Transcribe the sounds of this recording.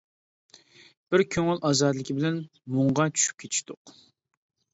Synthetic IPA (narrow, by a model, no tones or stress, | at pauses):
b̥ɪɾkʲʰøŋylʔɑːzɑd̪lˠɪkʲʰibɪlɛn | moɴʁɑt͡ʃʰy̥ʃy̥p̚kʲʰet͡ʃ̪ʰi̥ʃt̪ʊq